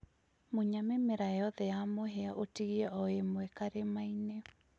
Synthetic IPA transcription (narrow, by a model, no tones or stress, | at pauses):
moɲamemeɾajɔðɛjamoɦeaʔotiɣiɛʔɔemwɛkaɾemaine